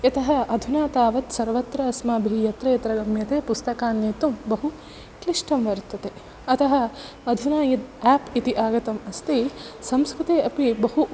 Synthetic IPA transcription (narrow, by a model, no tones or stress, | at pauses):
jɐt̪ɐɦɐɐd̪ʱunaːt̪aːʋɐt̪sɐɾʋɐt̪ɾɐɐsmaːbʱijɐt̪ɾɐjɐt̪ɾɐɡɐmjɐt̪eːpust̪ɐkaːnːjeːt̪umbɐɦu | kliʂʈɐmʋɐɾt̪ːɐt̪e | ɐt̪ɐɦɐ | ɐd̪ʱunaːjɐt̪aːpit̪iʔaːɡɐt̪ɐmɐst̪isɐmskɾut̪eːʔɐpibɐɦu